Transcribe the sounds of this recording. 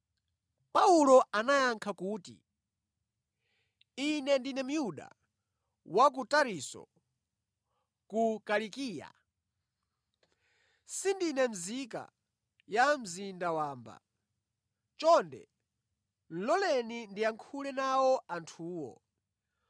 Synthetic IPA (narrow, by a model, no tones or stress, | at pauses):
paulɔanajaŋkʰakuːtḭ | inɛndinɛm̩ujuɗa̰ | wak̬utaɾisɔ̰ | kukalikiːja̰ | sindinɛm̩zika̰ | jam̩zindawaːmba̰ | t͡ʃɔndɛ̰ | lɔlɛnindiaŋkʰulɛnawɔʔantʰuːwɔ̰